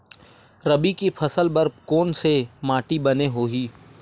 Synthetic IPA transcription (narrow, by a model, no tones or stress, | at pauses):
ɾɐbikipʰɐsəlbɐɾkoːnsemaːʈibɐneɦoːɦiː